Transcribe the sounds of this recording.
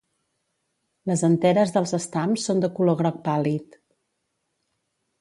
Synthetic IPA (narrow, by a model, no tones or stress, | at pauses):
ləzənt̪ɛɾəzðəlˠzəst̪amsːond̪əkuloɣɾɔk̚palit̪